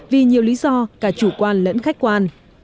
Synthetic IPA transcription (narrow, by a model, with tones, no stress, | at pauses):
vi˨˩ɲi˨˩əwli˨˦zɔ˧kaː˧˩t͡ɕu˧˩kwaː˧nlə̰˧˥nxa˦˥k̚kwaː˧n